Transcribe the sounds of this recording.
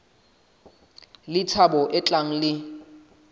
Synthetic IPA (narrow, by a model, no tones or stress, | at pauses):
lɪt͡sʰabɔʔɪt͡ɬʼaŋ̩lɪ